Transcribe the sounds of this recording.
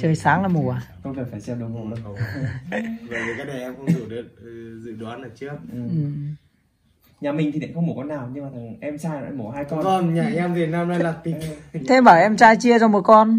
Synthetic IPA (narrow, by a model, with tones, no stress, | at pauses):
t͡ɕəː˨˩jsaː˨˦ŋlaː˨˩mu˨˩a˨˩ko˧zəː˨˩faː˧˩jsɛ˧wɗə˨˩˦mo˧˩l | və̰˧˨ji˨˩kaː˨˦k̚ɗə˨˩ʔɛ˧mkə˧zu˧˩ɗə˨˦t̚ːzɨ̰˧˨ɗwaː˨˦na˧˩t͡ɕɨ˦˥ək̚ʔɨ˨˩mʔɨ˨˩m | ɲaː˨˩mi˨˩ŋ̟t̪i˨˩ḭ˧˨˩kŋ͡mmo˨˩kɔ˧naː˨˩wɲɨ˧ŋmaː˨˩t̪ʰə˨˩˨ʔɛ˧mt͡ɕaː˧j̰mo˧˩haː˧jkɔ˧ɔ˨˩nɲaː˨˩ɛ˧mvi˨˩nːaː˧mlaː˧jlaː˨˩t̪i˨˩ŋʰ˧e˧mɓaː˧˩ʔɛ˧mt͡ɕaː˧jt͡ɕi˧ət͡ɕɔ˧mo˨˩kɔ˧n